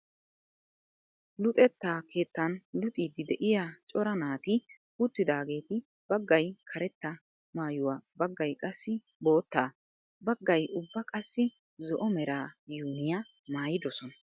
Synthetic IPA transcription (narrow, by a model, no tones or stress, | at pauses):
lʊt̪ʼɛt̪ːaːkʰe̞ːt̪ːɐnlʊt̪ʼiːd̪ɪd̪ɛʔɪjat͡ʃʼɔɾɐnaːt̪ɪ | ʊt̪ːɪd̪aːɡe̞ːt̪ɪ | b̥ɐɡːɐjkʰɐɾɛt̪ːɐ | maːjʊwaːbɐɡːɐjkʼɐsːɪ | bo̞ːt̪ːaː | bɐɡːɐjʔʊbːɐkʼɐsːɪ | zɔʔɔmɛɾaːjuːnɪja | maːjɪd̪ɔsɔnɐ̥